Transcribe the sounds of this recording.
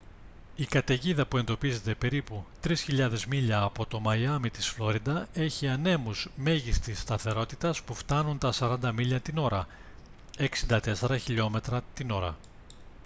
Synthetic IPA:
ikɐt̪e̞ʝiðɐpue̞nd̪o̞pize̞t̪e̞pe̞ɾiput̪ɾisçiʎɐðe̞zmiʎɐːpo̞t̪o̞mɐjɐmit̪isflo̞ɾid̪ɐe̞çiɐne̞muzme̞ʝist̪ist̪ɐθe̞ɾo̞t̪it̪ɐspuft̪ɐnunt̪ɐsɐɾɐnd̪ɐmiʎɐt̪ino̞ɾɐ | eksind̪ɐt̪e̞se̞ɾɐçiʎo̞me̞t̪ɾɐt̪ino̞ɾɐ̰

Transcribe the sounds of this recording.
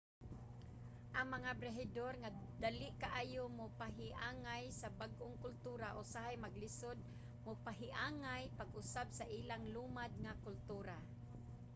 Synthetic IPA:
ʔaŋmaŋabɾeɦɪd̪orŋad̪alɪʔkaʔaːjomʊpaɦɪʔaːŋajsabaɡʔʊŋkʊlt̪uːɾaʔʊsaɦajmaɡlɪsod̪̚ | mʊpaɦɪʔaːŋajpaɡʔʊsabsaʔiːlaŋlumad̪̚ŋakʊlt̪uːɾa

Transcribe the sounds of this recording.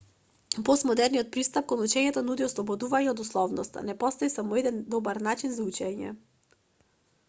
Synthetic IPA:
pɔsmɔd̪ɛɾnijɔt̪̚pɾist̪ap̚kɔnut͡ʃɛɲɛt̪ɔnud̪iɔslˠɔbɔd̪uvaɲɛɔd̪uslˠɔvnɔst̪a̰nɛpɔst̪ɔisamɔɛd̪ɛnd̪ɔbaɾnat͡ʃinzaut͡ʃɛɲɛ̰

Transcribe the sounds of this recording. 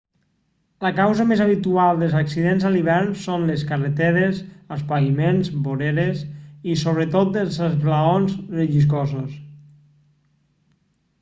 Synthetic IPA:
ləkawzəmezaβ̞it̪ualˠd̪əlˠzaksiðenzəliβ̞ɛɾnsonleskəret̪eɾezəspaimenzboɾeɾezisoβɾet̪ot̪̚d̪elzəzβlaonzrəʒis̬kɔzos

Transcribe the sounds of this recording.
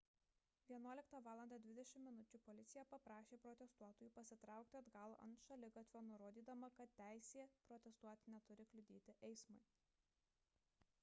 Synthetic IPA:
ʋʲiɛnuɔlʲɪk̚t̪ɑʋɑːlˠɐnd̪ɑːd̪ʲʋʲɪd̪ʲɛʃʲɪmʲːmʲɪnʊt͡ʃʲʊpɔlʲɪt̪sʲɪjɛpɐpɾɑːʃʲeːpɾɔt̪ʲɛst̪uɔt̪oːjuːpɐsʲɪt̪ɾɑˑʊk̚t̪ʲɪɐd̪ɡɐl̰ˠʔɐ̰nt̪ʃɐlʲɪɡɐt̪ʲʋʲoːnʊɾoːd̪ʲiːd̪ɐmɐkɐt̪ʲtʲːæˑɪsʲeːpɾɔt̪ʲɛst̪uɔt̪ʲɪnʲɛt̪ʊɾʲɪklʲʊd̪ʲeːt̪ʲɪʔɛɪsmɐɪ

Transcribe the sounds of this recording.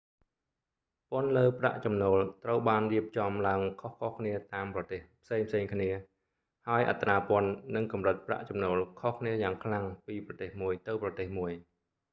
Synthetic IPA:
pʊ̆ənləːpra̰ʔt͡ɕɑmnoːlt̪rəwɓaːnriəp̚t͡ɕɑmlaəŋkʰohkʰohkʰniət̪aːmprɑt̪eːhpʰseːŋpʰseːŋkʰniə | haəjʔa̰t̪raːpŏənːɨŋkɑmrɨt̪̚pra̰ʔt͡ɕɑmnoːlkʰohkʰniəjaːŋkʰlaŋpiːprɑt̪eːhmuəjt̪ɨwprɑt̪eːhmuəj

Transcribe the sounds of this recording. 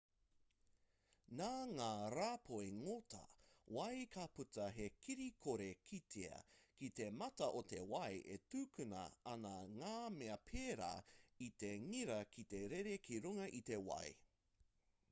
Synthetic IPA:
naːŋaːɾaːpʰoeŋotʰɐ̰wɐjkʰaputɐɦekiɾikʰoɾekʰitʰeɐ̰kit̪e̞mɐtɐʔot̪ewɐjʔḛtʉːkʉnɐ̰ɐnɐŋaːmeɐpʰeːɾa̰ːit̪eŋiɾɐkʰit̪eɾeɾekʰiɾuŋɐʔit̪ewɐ̰j

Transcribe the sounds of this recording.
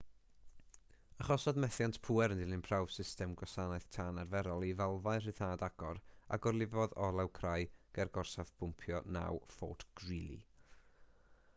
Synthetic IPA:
aχɔsɔdmɛθjantʰpʰuːɛɾəndɪlˠɪnpʰrawv̥sɪstɛmɡɔsanaɨθtʰaːnarvɛɾɔlˠivalˠvaɨr̥ɨθaːdaɡ̥ɔɾa̰ɡɔrlˠɪvɔðɔlˠɛwkʰrajɡ̥ɛrɡɔrsavpʰʊmpʰjɔna̰wfɔ̰tɡ̥rilˠḭ

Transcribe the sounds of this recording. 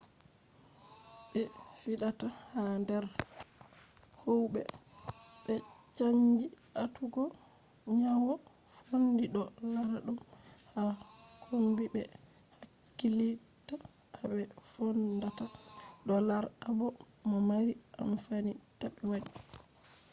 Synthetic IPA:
ɓɛfiɗatahandɛɾ | howbɛ̰ | ɓɛt͡ʃaɲd͡ʒiʔatuɡɔ | ɲawɔ | fondiɗɔlaɾaɗumhakʰumbibɛ | hakːili | ta | aɓɛfondataɗɔlaɾabɔ | mɔmaɾiʔa̰mfanitaɓɛwaɗi

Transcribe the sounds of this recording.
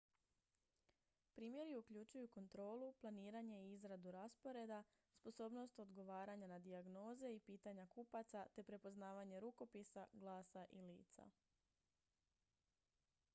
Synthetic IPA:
pɾiːmje̞ɾiukʎut͡ʃujuko̞nt̪ɾo̞ːluplˠaniːɾaɲe̞iizɾad̪uɾaspo̞ɾe̞d̪a | spo̞so̞ːbno̞st̪o̞d̪ɡo̞ʋaːɾaɲanad̪iaɡno̞ːze̞ipiːt̪aɲakupat̪sat̪e̞pɾe̞po̞znaːʋaɲe̞ɾuko̞pisaɡlaːsaʔilḭːt̪sa̰

